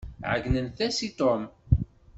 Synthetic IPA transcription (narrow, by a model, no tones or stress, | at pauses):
ʕə̰ɡnənθæsit̪om